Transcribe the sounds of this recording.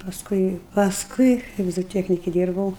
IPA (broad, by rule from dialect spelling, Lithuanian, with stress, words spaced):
pɐsˈkʊɪ pɐsˈkʊɪ kɐɪp zoːˈtʲiɛknʲɪkʲɪ ˈdʲiːrbɐʊ